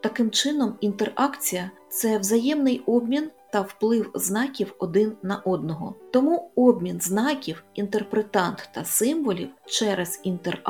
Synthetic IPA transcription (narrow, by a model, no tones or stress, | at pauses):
t̪ɐkɪmt͡ʃɪnɔmint̪erɑkt͡sʲijɐt̪sɛwzɐjɛmnɪjɔbmʲint̪ɐwplˠɪwznɑkʲiwɔd̪ɪnːɐʔɔd̪̚nɔɦɔ̰t̪ɔmuɔbmʲinznɑkʲiwint̪erpɾet̪ɑnt̪t̪ɐsɪmʋɔlʲḭwt͡ʃɛɾez̥int̪er